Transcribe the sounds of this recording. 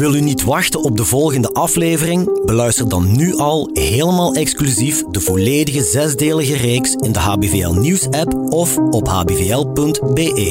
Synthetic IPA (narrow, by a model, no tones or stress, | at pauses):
ʋɪlˠtynitʋɑxtənɔb̚dəvɔlˠɣəndəʔɑfleːvərɪŋbəlœɥstərdɑnːyʔɑlˠɦeːləmaːlˠɛksklyzifdəvoleːdəɣəzɛzdeːləɣəreːksɪndəɦaːbeveːɛ̰lˠniwsɛpɔfɔpɦa̰ːbeːveɛlˠpɵntbeːʔeː